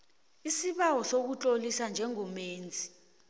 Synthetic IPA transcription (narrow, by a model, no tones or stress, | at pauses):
isiɓawɔsok̬ut͡ɬʼolisand͡ʒʱɛŋɔmeːnd͡zʱi̥